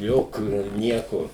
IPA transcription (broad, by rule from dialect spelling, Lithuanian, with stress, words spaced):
ˈjoːkʲuː ɪr ˈnʲiɛkoː